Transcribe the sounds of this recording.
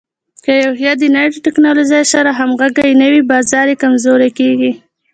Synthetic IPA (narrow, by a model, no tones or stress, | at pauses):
kajawɦjɑd̪ənaɾiʈɪknɑloʒajʃaɾaɦamɣaɡajnəwibɑzɑɾekamzoɾekeɡi